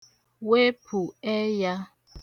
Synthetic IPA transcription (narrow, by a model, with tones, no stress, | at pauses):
we˦pʰu˨ɛ˦ja˦